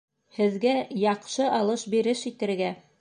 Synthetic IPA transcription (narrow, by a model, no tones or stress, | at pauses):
hɘ̆ðɡæjɑqʃɤʔɑlˠɤʃbiɾɘʃit̪ɘ̆ɾɡæ